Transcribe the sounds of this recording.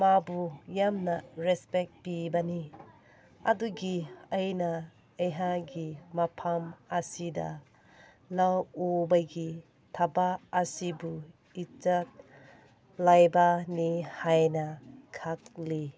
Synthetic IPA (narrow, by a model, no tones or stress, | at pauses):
mabujamnɐɾɛspek̚pibɐni | ɐ̰duɡiɐjnɐː | jɦaɡimapʰamɐsidɐ̰ | lawubɐɡi | tʰabaːsibu | it͡ʃat̚ | lajbɐnihajnɐkʰak̚li